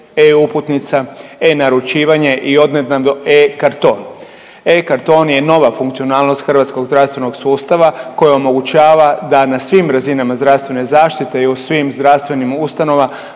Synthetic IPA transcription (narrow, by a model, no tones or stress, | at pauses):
euput̪nit̪saenaɾut͡ʃiːʋaɲe̞ʔio̞d̪ned̪nad̪ekaɾt̪o̞ːn | ekaɾt̪o̞ːnje̞no̞ʋafuŋkt̪sio̞naːlno̞st̪xr̩ʋat̪ko̞ɡzd̪ɾaʋst̪ʋe̞no̞ɡsuːst̪aʋako̞jao̞mo̞ɡut͡ʃaːʋad̪anasʋimɾazinamazd̪ɾast̪ʋe̞ne̞zaːʃt̪it̪e̞iusʋiːmzd̪ɾast̪ʋe̞nimust̪ano̞ʋa